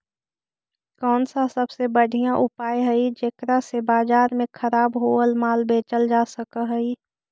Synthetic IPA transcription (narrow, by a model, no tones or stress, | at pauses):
kɔːnsasəbsebəɽʱijãʔʊpaːjɦəid͡ʒeːkɾasebaːd͡ʒaːɾmẽkʰəɾaːbɦoəlmaːlbeːt͡ʃəld͡ʒaːsəkəɦəi